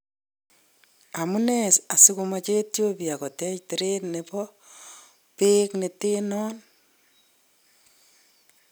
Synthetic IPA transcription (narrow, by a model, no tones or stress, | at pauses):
amunesasikumat͡ʃetjopiakɔtɛt͡ʃtiɾetnepɔ | peknetenɔn